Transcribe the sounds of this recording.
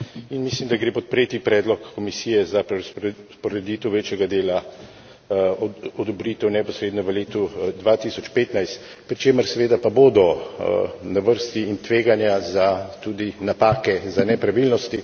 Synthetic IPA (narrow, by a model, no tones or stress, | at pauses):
inmislimd̪aɡɾeːpɔt̪̚pɾeːt̪ipɾɛːd̪lɔkːɔmisijɛzappɔɾɛd̪iːt̪əwʋeːt͡ʃjɛɡad̪eːla | ɔd̪ɔbɾit̪ɛwnɛpɔsɾeːd̪nɔʋəleːt̪ud̪ʋat̪isɔt͡ʃpeːt̪najst̪ | pɾit͡ʃeːməɾsɛʋeːd̪apaboːd̪ɔ | naʋəɾst̪iːnt̪ʋeːɡanjazat̪ud̪inapaːkɛzanɛpɾaʋilnɔst̪i